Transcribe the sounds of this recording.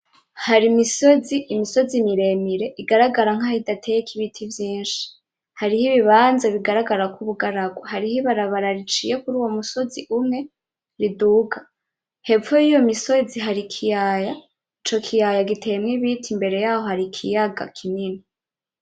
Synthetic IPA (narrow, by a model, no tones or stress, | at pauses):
haɾimiso̞ziʔːmiso̞zimiɾe̞miɾe̞ʔiɡaɾaɡaɾaŋ̥hahidatʰe̞jekʰiβitʰivjiːnʃi̥ | haɾihiβiβaːnzaβiɡaɾaɡaɾakuβuɡaɾaɡwoɦaɾihiβaɾaβaɾaɾit͡ʃije̞kuɾuːwo̞muso̞ziʔumŋe̞ | ɾiduɡa | he̞ojijo̞miso̞ziɦaɾikʰijaja | it͡ʃo̞kʰijajaɡitʰe̞mŋiβitʰimbe̞ɾe̞jaːho̞haɾikʰijaɡa̰kʰinini